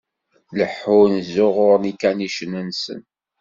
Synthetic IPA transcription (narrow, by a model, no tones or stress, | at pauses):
ləħːʊnzʊʁʊɾnikæniʃənənsə̰n